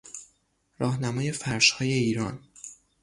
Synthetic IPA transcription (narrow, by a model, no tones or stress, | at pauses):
ɾɒːhnæmɒːje̞fæɾʃhɒːje̞iːɾɒːn